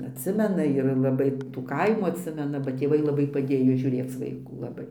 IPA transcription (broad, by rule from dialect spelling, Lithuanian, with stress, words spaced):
ɐtʲˈsʲɪmʲɛnɐ ɪr lˠɐˈbɐɪ tuː ˈkɐɪmuː ɐtʲˈsʲɪmʲɛnɐ bɐ tʲeːˈʋɐɪ lˠɐˈbɐɪ pɐˈdʲeːjoː ʒʲuːˈrʲeːt͡s ʋɐɪˈkuː lˠɐˈbɐɪ